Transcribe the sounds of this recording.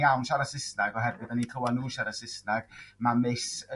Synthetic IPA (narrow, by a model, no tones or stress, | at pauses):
awnʃaɾasɪsnaɡɔɦɛrwɨðanikʰəwanuːʃaɾasɪsnaɡ̥mamesə